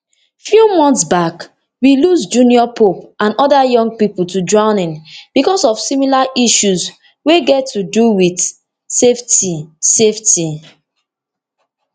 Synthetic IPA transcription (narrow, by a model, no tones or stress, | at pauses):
fjumɔ̃ntsbak | wilusd͡ʒũniɔpʰop̚ʔãnɔdajɔ̃ŋɡ̚pipl̩tudɹãʊnĩnb̥ikɔsɔv̥similaʔiʃuz | weɡɛtʰːuduwid | seftisefti